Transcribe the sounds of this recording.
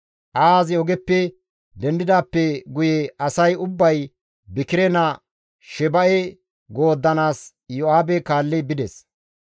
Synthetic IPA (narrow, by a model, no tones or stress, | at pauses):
ʔaːzɪɔɡɛpːɛ | d̪ɛnd̪ɪd̪aːpːɛɡʊjɛɐsɐjʊbːɐj | bɪkɪɾɛnɐ | ʃɛbɐʔɛ | ɡo̞ːd̪ːɐnaːs | jɔaːbɛkaːlːɪbɪd̪ɛs